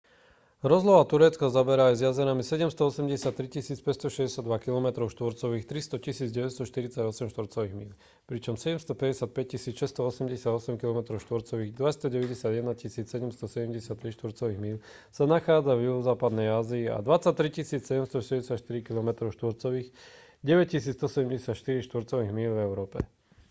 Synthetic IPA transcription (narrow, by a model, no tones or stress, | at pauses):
ɾɔzlɔʊat̪uɾɛt͡skɔzabɛɾaːjzjazɛnamisɛɟɛmst̪ɔɔsɛmɟɛsɪat̪ːɾicisiːt͡spɛcst̪ɔʃɛzɟɛsjad̪ʋakilɔmɛt̪ɾɔʊʃt̪ʋɔɾt͡sɔʋiːxt̪ɾist̪ɔcisiːd͡zɟɛʋɛst̪ɔʃt̪iɾit͡saɟɔsɛmʃt̪ʋɔɾt͡sɔʋiːɣmin | pɾit͡ʃɔmsɛɟɛmst̪ɔpɛɟɛsɪat̪̚pɛc̚cːisiːt͡sʃɛst̪ɔɔsɛmɟɛsɪad̪ɔsɛmkilɔmɛt̪ɾɔʊʃt̪ʋɔɾt͡sɔʋiːɣd̪ʋast̪ɔɟɛʋɛɟɛsɪad̪jɛd̪nacisiːt͡ssɛɟɛmst̪ɔsɛɟɛmɟɛsɪat̪ːɾiʃt̪ʋɔɾt͡sɔʋiːɣmin | sanaxaːd͡zavjuɦɔzaːpad̪nɛjaːziːa̰d̪ʋat͡sac̚t̪ːɾicisiːt͡ssɛɟɛmst̪ɔʃɛɟɛsɪat̪ʃt̪iɾikilɔmɛt̪ɾɔʊʃt̪ʋɔɾt͡sɔʋiːx | ɟɛʋɛc̚cisiːt͡st̪ɔsɛɟɛmɟɛsat̪ʃt̪iɾiʃt̪ʋɔɾt͡sɔʋiːɣmiːlvɛʊɾɔːpɛ